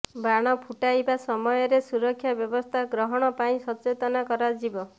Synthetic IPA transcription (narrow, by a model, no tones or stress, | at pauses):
baɽ̃ɔpʰuʈajbasɔmɔjɔɾesuɾɔkʰːjabjɔbɔst̪ʰaɡɾɔɦɔɽ̃ɔpaĩsɔt͡ʃet̪ɔnakɔɾad͡ʒibɔ